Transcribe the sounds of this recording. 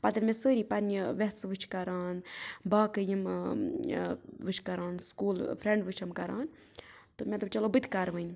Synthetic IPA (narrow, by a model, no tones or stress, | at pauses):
pɐt̪ɐɾmesəːɾiːpɐɾnʲiʋɛsʋɨt͡ʃʰkɐɾaːnbaːkɨjim | ʋɨt͡ʃʰkɐɾaːnskuːlfʰɾẽɳɖʋɨt͡ʃʰɐmkɐɾa̰ːn | t̪ɨmʲɛt̪ubt͡ʃɐlobɨt̪ʲkaɾʋənʲ